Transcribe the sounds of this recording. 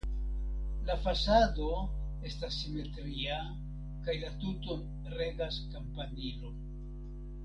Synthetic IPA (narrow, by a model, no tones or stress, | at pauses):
lafasado̞ | e̞stasːime̞tɾia | kajlatuton | re̞ɡaskampanilo̞